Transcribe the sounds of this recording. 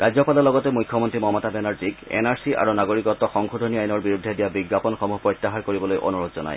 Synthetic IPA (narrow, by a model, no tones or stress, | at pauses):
ʔad͡ʑɔpalɔlɔɡɔtɛmujkʰːɔmɔntɹimɔmɔtabɛnaɹzikɛ̰naɹsiʔa̰ɹunaɡoɹikɔt̪ːɔxɔŋkʰodʱoniajnɔɹbiɹud̪ʱːɛdijabiɡːapɔnxɔmuɦpɹɔjt̪ːaɦaɹkoɹibɔlojʔo̰nuɹodzɔna̰j